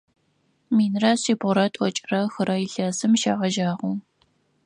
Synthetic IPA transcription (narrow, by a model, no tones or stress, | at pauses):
miːnrɐɕiːbʁʷʊɾɐtʼɔt͡ʃʼrɐxɨɾɐɪɬɐːsɨmʃaːʁɐʒaːʁʷuː